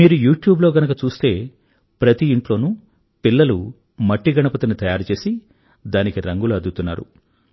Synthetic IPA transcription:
miːɾujuːʈjuːbloːɡɐnɐkɐt͡ʃuːst̪e̞ː | pɾɐt̪iiɳʈlo̞ːnu | pilːɐlu | mɐʈːiɡɐɳɐpɐt̪ɐnit̪ɐjaːɾit͡ʃe̞ːsi | d̪aːnikiɾɐŋɡuluɐd̪ut̪unːa̰ːɾṵ

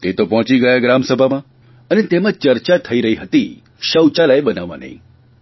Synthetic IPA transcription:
t̪et̪opɔɦɔ̃t͡ʃiɡəjaɡɾamsəbʱamã | ənet̪emãt͡ʃəɾt͡ʃat̪ʰəiɾəɦiɦət̪i | ʃəwt͡ʃalaeɓənaʋːã̰nə̰ɦḭ̃

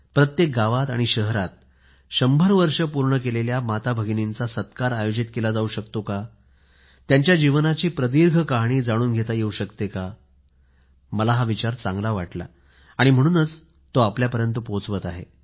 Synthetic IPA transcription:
pɾət̪jek̚ɡaʋat̪a̰ɽ̃iɕəɦəɾat̪̚ | ɕəmbʱəɾʋəɾʂəpuɾɳəkeleljamat̪abʱəɡnint͡sasət̪kaɾajod͡ʑit̪kelad͡zauɕəkt̪oka | t̪jaɲt͡ɕjad͡ʑiʋnat͡ɕiːpɾəd̪iɾɡʱəkaɦɽ̃iːd͡zaɽ̃uːnɡʱet̪ajeuɕəkt̪eka | məlaɦaʋit͡ɕaɾt͡saŋɡlaʋaʈla̰ | aɽ̃im̤əɽ̃uːnət͡s | t̪oapljapəɾjənt̪upot͡sʋət̪aɦḛ

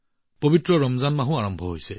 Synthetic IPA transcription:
pobitɹɔɹɔmzanmaɦũaɹɔmbʱɔɦojsɛ

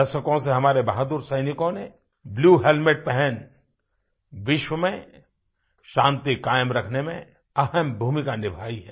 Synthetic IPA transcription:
ɐʃəkõseɦɐmaːɾebɐɦad̪uːɾsɐɪnɪkõne | bluːɦelmɪʈ̚pɛɦɛn | ʋɪʃwəmẽ | ʃãːnt̪ikaːjəmɾɐkʰnemḛ̃ | ɐɦəmbʱuːmikanɪbʱaːiɦɛː

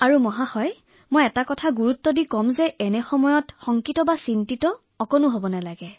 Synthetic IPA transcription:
aɹumɔɦahɔj | mojɛtakɔtʰaɡuɹutːɔdikɔmzɛʔɛnɛxɔmɔjɔtxɔŋkitɔbasintitɔː | kɔnuɦobɔnɛlaɡɛ

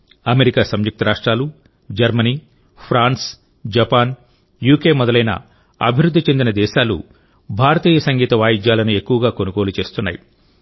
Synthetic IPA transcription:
ɐme̞ɾikaːsɐmjuk̚t̪ɐɾaːʂʈɾaːlu | d͡ʒɐɾmɐniː | pʰɾaːns | d͡ʒɐpaːn | juːkeːmɔd̪ɐlɐjnɐ̰ | ɐ̰bʱiɾud̪ʱːit͡ʃe̞nd̪inɐd̪ɛːʃaːlṵ | bʱaːɾɐt̪iːjɐsɐŋɡiːt̪ɐʋaːjid͡ʒjaːlɐnue̞kːuʋɐɡaːko̞nuko̞ːlut͡ʃe̞ːst̪unːaːji

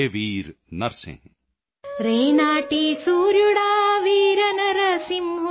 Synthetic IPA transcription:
eʋiːɾnɐɾsḛ̃ | ɾeːnaːʈiːsuːɾjuɽaːʋiːɾɐnɐɾɐsimɦu

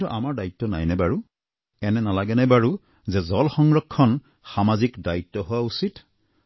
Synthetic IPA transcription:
ɔʔamaɹdaitːɔna̰jnɛbaɹu | ɛnɛnalaɡɛnɛbaɹu | zɛzɔlxɔŋɹɔkʰːɔn | xamazikdaitːɔɦʊwausit

